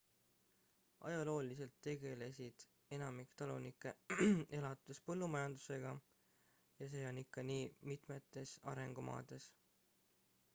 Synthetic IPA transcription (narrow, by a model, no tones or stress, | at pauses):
ʔɑ̰jɑlo̞ːlise̞lt̪ːe̞ɡ̥e̞le̞sid̪̥ | e̞nɑmikt̪ɑlunikːˑe̞e̞lɑt̪ːˑespɤ̞lːumɑjɑnd̪u̥se̞ɡ̥ɑ | jɑse̞ːo̞nːikːɑniːmit̪ˑme̞t̪ːˑe̞sɑ̰ɾe̞ŋɡ̥omʔɑ̰ːd̪̥e̞s